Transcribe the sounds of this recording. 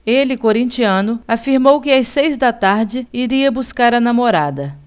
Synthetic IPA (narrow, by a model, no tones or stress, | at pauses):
elɪkoɾĩnt͡ʃiɐ̃nʊafiɾmowkɪasejzd̪ɐt̪aɾd͡ʒɪiɾiɐbuskaɾɐnamoɾad̪ɐ